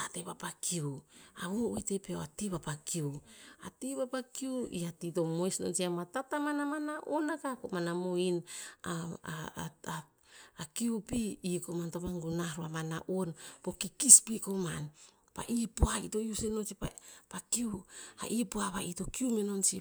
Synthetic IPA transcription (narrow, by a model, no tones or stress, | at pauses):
atepapakʰiuaβowitepeoatiβapakiua̰tiβapakiuḭatito̞mojsno̰nsiamatatamanamanaʔonakakomanamoina | a | akiupiːkomantomaŋɡunaɾoamana̰ʔonpo̞kikispikoman | pa̰ʔipuaitojusenot͡ʃipapakiua̰ʔipuaβaʔitokiumenont͡ʃi